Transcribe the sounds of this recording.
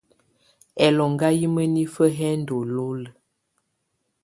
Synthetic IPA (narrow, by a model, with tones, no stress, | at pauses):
ɛ˨lɔ˨ŋɡa˦ji˦mə˦ni˦fə˦ɦɛ˦n̩˦do˨lo˦lə˨